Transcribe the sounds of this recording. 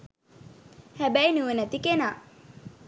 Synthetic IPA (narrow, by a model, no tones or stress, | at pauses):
hæbæjnuʋenæt̪ikenaː